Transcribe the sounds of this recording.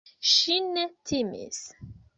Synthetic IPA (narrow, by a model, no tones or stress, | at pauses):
ʃinetʰimḭs